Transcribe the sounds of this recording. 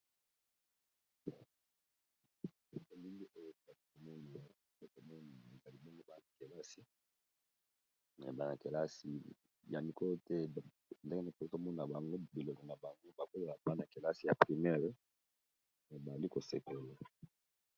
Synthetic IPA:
e˨ko˦mi˦ŋbi˦ʔo˦jo˦a˨to˨ko˨mɔ˦ne˨ | o˦ko˨mɔ˦na˨a˨e˨za˨li˦bo˦ŋɡo˦ba˦na˨ke˨la˦si˦ | mɛ̰˨ba˦na˨ke˨la˦si˨ | ja˨mi˨kɔ˦lo˦tɛ˦˨ | nde˦ŋe˦ne˨ko˨o˦ko˦mɔ˦na˨a˨ŋɡo˦bi˨lo˨kɔ˨n˨a˨ba˨ŋɡo˦ba˨ko˦a˨la˨ba˦na˨ke˨la˦si˨ja˨pʁi˨mɛ˦ʁ | me˨ba˨a˨li˦ko˨se˨ko˨le˨

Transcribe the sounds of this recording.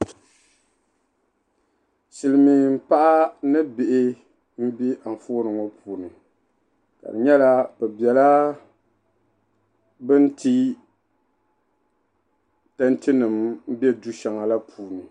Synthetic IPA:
si˨lɨ˨mi˨m̩˦pa˦ʔa˦nɨ˦bɪ˨ʔɪ˦ | m̩˦bi˦ʔa˨ɱ˨foː˦nɨ˨ŋo˦pʰuː˨nɨ˨ | ka̰˨dɨ̰˨ɲɛ˦la˦pɛ˨bjɛ˨la˦ | bɨ˦n̩˦tʰi˦ | ta˦nti˦nɨ˨m̩˦bɛ˦du˦ʃa˨ŋa˨la˦pʰuː˨nɨ˨

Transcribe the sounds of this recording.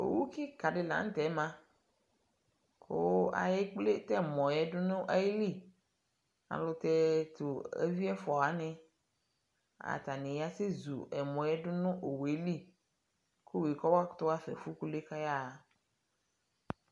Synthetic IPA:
o̰˨wu˦ki˦ka˨ɖe˨lã̰˨˦n̩˦t̪ɛ˨˦mã˦ | kʰo˦a̰˨je˦k͡ple˦t̪ɛ˦mɔ̃˨jɛ˦ɖo˦nũ˦ʔa˦je˦li˦˨ | a̰˨lo˦t̪ɛ˦t̪o˨ḛ˦vi˦ɛ˦fɔ˨a˨˦nɛ̃˦ | a̰˨t̪a˨nẽ˨ja˦se˦zṵ˨ɛ˨mɔ̃˨jɛ˦ɖo˦nũ˦ʔo˨we˦li˦ | ko˦wi˨kɔ˦wa˦kt̪o˦a˦fɛ̰˨fu˦ku˦le˦ka˦ja˦˨

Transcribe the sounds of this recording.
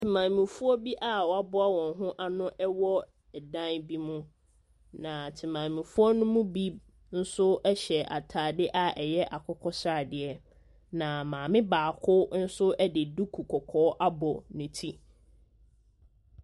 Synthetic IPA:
tʰɪ˨mã˨mĩ˨fu˦ɔ˦bi˦ʔa˦wɔ˨a˨bʊ˦a˦wɔ̃˨nɦʊ̃˦ʔa˦nʊ̃˦ʔɛ˦wɔ˦ | ɛ˨dã˦nbi˦mʊ̃˦ | nã˨tʰɪ˨mã˨mĩ˨fu˦ɔ˦nʊ̃˦mũ˦bi˦ | n̩˦sʊ˦ɛ˦ɕɛ˨ʔa̰˨tʰaː˨dɪ˦ʔa˦ɛ˨jɛ˦ʔa˨kʰɔ˦kʰɔ˦sɾa˦˨dɪ˨ɛ˦ | nã˨mãː˨mɪ̃˦baː˨kʰʊ˦n̩˦sʊ˦ʔɛ˦dɪ˨du˦kʰu˨kʰɔ˨kʰɔː˨˦ʔa˦bɔ˨nʊ̃˨tʰi˦

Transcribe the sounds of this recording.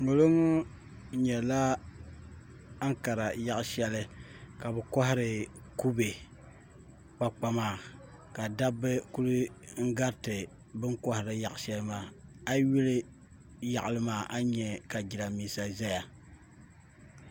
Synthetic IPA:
ŋo˨lo˦ŋo˦ | ɲɛ˨la˦ | a˦ŋka˨ɾa˨ja˦ʔʃɛ˦lɨ˦ka˨bɛ˨kɔ˦ɦɪ˦ɾɨ˨ | ku˦be˨ | k͡pa˦k͡pa˦maː˦˨ | ka˨da˦bːɨ˦ku˦lɨ˦ŋ̩˦ɡa˦ɾtɨ˨ | bɨ˦ŋkɔ˦hɪ˨ɾɨ˦ja˨ʔʃɛ˦lɨ˦maː˨a˦ɥi˦lɨ˦ | ja̰˨ʔʊ˨lɨ˦maː˨ʔa˦ɲɛ˨ka˨d͡ʒi˨ɾa˨miː˦sa˨za˦ja˨

